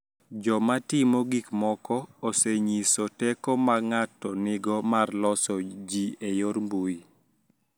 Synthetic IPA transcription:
d͡ʒɔmatɪmɔɡikmɔkɔoseɲisɔtɛkɔmaŋatɔnɪɡɔmarlɔsɔd͡ʒiejoɾmbui

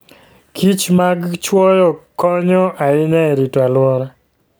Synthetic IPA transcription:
kʰit͡ʃmaɡt͡ʃwɔjɔkɔɲɔʔaɪnɛɾitɔalwɔɾa

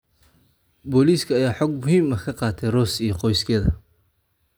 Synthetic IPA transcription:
bɔːliːskʰɐːjaːħɔːɡ̚mʊɦiːmɐkʰɐqɑːt̪ʰɛjrɔːsijɔqɔjskʰɛːðɐ

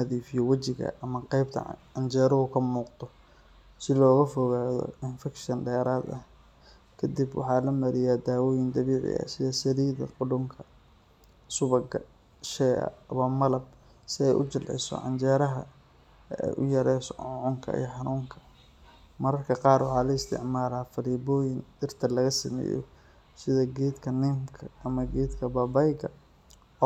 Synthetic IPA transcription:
nɐðiːfɪjɔwɐt͡ʃɪɣɐ̰ʔɐmɐqɛjb̚t̪ʰɐ̰ʕɑnt͡ʃɛːɾɐʊkʰɐmuːqd̪ɔ | sɪlɔːɣɐfɔɣaːðɔ̰ɪnfɛkʃɐnɖɛːɾaːd̪ɐh | kʰɐd̪ibwɑ̰ħɑːlɐmɐɾɪjaːd̪aːwɔːjɪnd̪ɐβiːʕɪ̰ʔɐ̰sɪjɛsɐðiːðɐ̰qʊɽʊŋkʰɐ | sʊβɐɡɐ | ʃɛːɐ̰ɐmɐmɐlɐb̚ | sɪɛjʔʊt͡ʃɪlʕɪ̰sɔ̰ʕɑ̰nt͡ʃɛːɾɐɦɐ | ɛ̰jʔʊ̰jɐɾɛjsɔ̰ʕʊʕʊŋkʰɐ̰ḭːħɑnuːŋkʰɐ̥ | mɐɾɐrkʰɐqɑːrwɑħɑːlɐɪst̪ʰɪ̰ʕmaːlaːfɐliːbɔːjɪnd̪ɪrt̪ʰɐlɐɣɐsɐmɛ̰ːjɔ̰ | sɪðɐɡiːd̪kʰɐnɪmkʰɐːmɐɡiːd̪kʰɐbɐbɐjɣɐ

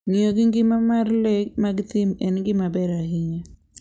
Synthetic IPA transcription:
ŋioɡɪŋɡɪmamarlekmaɡt̪imɛnŋɡɪmabɛɾahiɲe

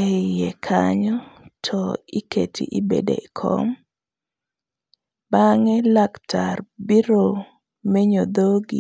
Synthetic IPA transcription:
ɛjɛkʰaɲɔtʰɔikḛtʰḭʔibḛdḛikʰɔ̰m | baŋɛlaktʰarbiɾo | mɛɲod̪oɡḭ

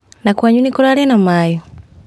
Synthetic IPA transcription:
nakwaɲunikoɾaɾɛnamajɔ

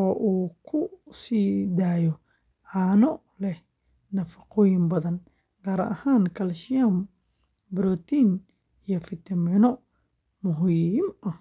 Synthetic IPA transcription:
ɔːʔuːkʰʊsiːd̪aːjɔ | ʕɑːnɔ | lɛ | nɐfɐqʰɔːjɪmbɐðɐn | ɡ̥aːɾɐʔɐ̰haːŋkʰɐlʃɪjam | bɾɔt̪ʰin | ijɔfɪt̪ʰɐminɔ | mʊɦimʔɐ

